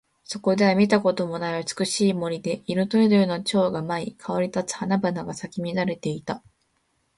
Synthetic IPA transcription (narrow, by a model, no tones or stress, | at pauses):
so̞ko̞d̪e̞βamʲit̪ako̞t̪o̞mo̞naiɯ̟t͡sɨ̥kɯ̟ɕiːmo̞ɾʲid̪e̞iɾɯ̟t̪oid̪oɯ̟not͡ɕo̞ːɡamaikʰaβaɾʲit̪at͡sɨ̥hanabanaɡasakʲimʲinaɾe̞t̪e̞it̪a